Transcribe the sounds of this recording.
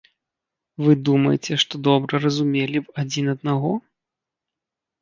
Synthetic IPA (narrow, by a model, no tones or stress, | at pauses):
vɨd̪umɐjt͡sʲɛʂt̪ɔd̪ɔbɾɐɾɐzumʲelʲipad͡zʲinɐd̪̚naɣɔ